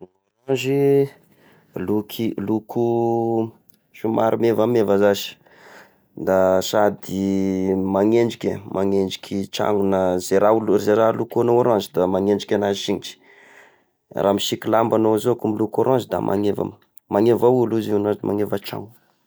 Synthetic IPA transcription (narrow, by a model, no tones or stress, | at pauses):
nooɾãzi | lukʰilukʰu | ʃumaɾimevamevazaʃi̥ | d̪asad̪i | maŋeɳɖ͡ʐikʲemʔaŋend͡ʒi̥kʲʰit͡ʃa̰ŋunazeɾalzeɾalukuanowaɾãnzid̪amaŋend͡ʒikʲanaziʃinit͡ʃi̥ | rʔamiʃikilambanozoakumilukoɾãnzid̪a̰mʔa̰ŋeva̰m | maŋevawuluzinãzma̰ŋevat͡ʃa̰ŋu